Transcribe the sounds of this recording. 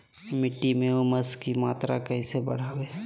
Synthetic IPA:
mɪʈːimẽomɐskimaːt̪ɾa̰kɐɦisebɐ̰ɽ̤aːweː

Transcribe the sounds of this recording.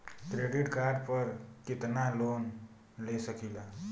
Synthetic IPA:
kɾeɖiʈkaɖpəɾkit̪nalon | lesəkila

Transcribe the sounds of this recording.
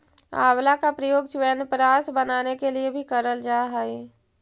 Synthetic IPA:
a̰ːwlakapɾəjoːɡt͡ʃwɛːnpɾaːsbənaːnekeliebʱikəɾəld͡ʒaːɦɛe

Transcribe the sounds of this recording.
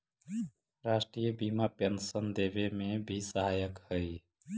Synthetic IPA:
ɾasʈɾijəbimapensənd̪ebemebʱisəɦajəkhəj

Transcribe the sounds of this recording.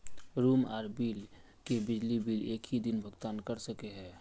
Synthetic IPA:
ɾuːma̰ːɾbiːl | kebɪd͡ʒlibiːleːkɦid̪ɪnbʱəɡt̪aːnkəɾsəkeɦɛ̃ː

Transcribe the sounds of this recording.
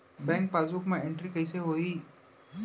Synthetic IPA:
bɛ̃ŋk̚pazukmãeɳʈɾikɐiseɦoiː

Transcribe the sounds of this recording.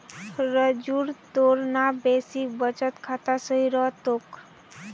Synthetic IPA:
ɾəd͡ʒuɾt̪oɾnabesibət͡ʃət̪kʰat̪asəɦiɾɔt̪ok

